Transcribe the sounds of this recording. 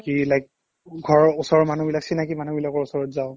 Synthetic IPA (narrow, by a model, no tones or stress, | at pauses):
kilajk̚ | ɡʱɔɹɔʊsɔɹɔmanubilaksinakimanubilakɔɹʊsɔɹɔtzaʊ